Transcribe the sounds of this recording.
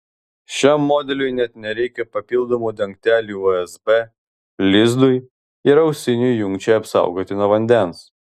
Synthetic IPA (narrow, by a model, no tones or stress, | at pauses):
ʃʲɛmːoːd̪ʲɛlʲʊɪnʲɛt̪nʲɛɾʲɛɪkʲɛpɐpʲɪlˠd̪oːmuːd̪ʲɛŋʲk̚t̪ʲæːlʲuoɛsbɛ | lʲɪzd̪ʊj | ɪɾɐʊsʲɪnʲʊjjʊŋʲkt͡ʃʲɛɐpsɑ̰ˑʊɡoːt̪ʲɪnɔʋɐnʲd̪ʲɛns